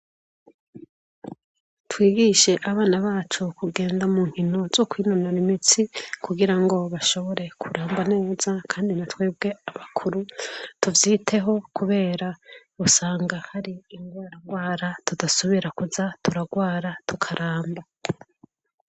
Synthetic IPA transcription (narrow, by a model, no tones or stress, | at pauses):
twiːɡiʃe̞ʔaβaːnaβaːt͡ʃokuɡe̞ːndamuːŋ̥hino̞z̥o̞kwiːnonaɾimit͡sikuɡiɾaŋɡo̞βaʃo̞βo̞ɾe̞kʰuɾaːmbane̞ːz̥akʰaːndinatwe̞ːbɡe̞aβakʰuɾutuvjiːtʰe̞ɦo̞kuβe̞ːɾa | usaːŋɡahaɾiːŋɡwaːɾaŋɡwaːɾatudasoβiɾakuzatuɾaɡwaːɾatukʰaɾʔaːmba